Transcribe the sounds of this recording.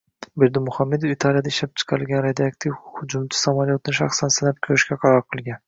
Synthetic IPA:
beɾd̪ɪmʊhɑmːed̪ofit̪ʰɑlˠijad̪aiʃlap̚t͡ʃʰɨ̥qʰɑɾɨlˠɡʲanɾed̪iɑk̚t̪ʰivhʊd͡ʒumt͡ʃ̪ʰɪ̥samalˠijot̪ʰɪnʃɑχsansɪnap̚kʲʰøɾɪʃkʲʰaqʰɑɾɑɾqʰɨlˠɡʲan

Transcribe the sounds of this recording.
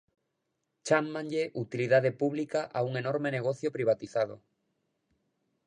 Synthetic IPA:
t͡ʃamːaŋʎeʔut̪iliðaðepuβlikaʔauŋenoɾmeneɣ̞oθjopɾiβat̪iθað̞o̰

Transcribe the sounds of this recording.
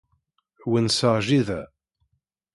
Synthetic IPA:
wənsəʁʒiðæ

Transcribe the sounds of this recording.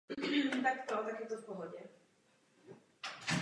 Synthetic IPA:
t̪akt̪ɔt̪akʲjɛt̪ɔt̪̚pɔvɔd͡ʑɛ

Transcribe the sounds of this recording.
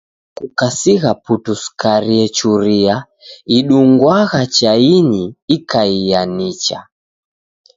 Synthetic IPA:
kukasiɣaputuskaɾiɛt͡ʃuɾia | iɗuŋɡwaɣat͡ʃainiikaijanit͡ʃa̰

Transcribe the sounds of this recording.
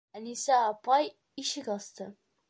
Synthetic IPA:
ænisæːpɑj | iʃɘkɑst̪ɤ

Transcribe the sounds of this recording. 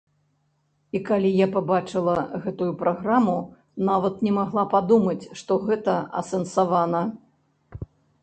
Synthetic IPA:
ikalʲijapabat͡ʂɨlˠɐɣɛt̪ujupɾaɣɾamu | navɐt̪nʲɛmaɣlˠapad̪umɐt͡sʲʂt̪ɔɣɛt̪ɐɐ̰sɐnsavanɐ

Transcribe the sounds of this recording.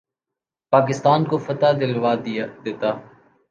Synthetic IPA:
paːk̬ɪst̪aːnkofɐt̪ad̪ɪlʋaːd̪eːt̪aː

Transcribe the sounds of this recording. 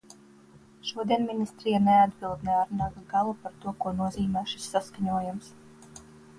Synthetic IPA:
ʃuɔd̪iɛnminist̪ɾijanɛad̪̚bilˠd̪nɛaɾnaːɡaɡalˠupaɾt̪uɔkuɔnuɔziːmʲɛːʃi̥sːaskaɲuɔjams

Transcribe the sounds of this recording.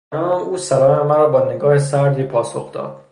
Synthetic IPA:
ɾɒːuːsæɾɒːnæmæɾɒːbɒːneɡɒːhesæɾd̪iːpʰɒːsoxd̪ɒ̰ːd̪̥

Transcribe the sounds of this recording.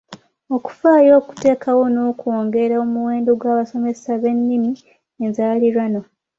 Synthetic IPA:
o̞ku̥faːjo̞ːku̥te̞ːkawo̞no̞ːkwoːŋɡe̞ɾaomuwe̞ːndoɡwaːβaso̞me̞saβe̞nːimi | enzaːliɾwano̞

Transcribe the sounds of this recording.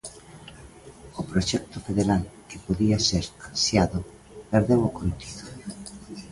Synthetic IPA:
ʊpɾoʃɛk̚t̪ofeðeɾalkepoðiaseɾasjaðʊ | peɾðewokont̪i̥ðo̥

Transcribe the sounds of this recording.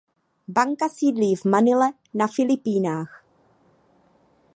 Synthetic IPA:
baŋkasiːdliːvmanɪlɛ | nafɪlɪpiːnaːx

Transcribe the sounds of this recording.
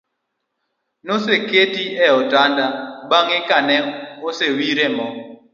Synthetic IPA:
noseketiɛɔtandabaŋɪkanɛosewiɾɛmɔ

